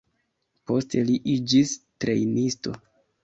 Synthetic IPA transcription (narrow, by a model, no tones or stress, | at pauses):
po̞stʰe̞liʔid͡ʒistɾe̞̰jnisto̞